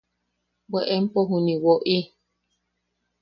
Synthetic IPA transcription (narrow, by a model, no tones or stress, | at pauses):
beʔem̩poɦũnĩwoʔi